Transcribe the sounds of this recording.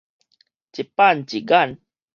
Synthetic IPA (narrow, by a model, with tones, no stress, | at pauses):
t͡ʃi˨pa˦˨nt͡ʃi˨ɡa˦˨n